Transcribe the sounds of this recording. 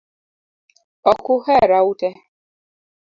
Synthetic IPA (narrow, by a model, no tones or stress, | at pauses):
ɔkʊhɛɾautɛ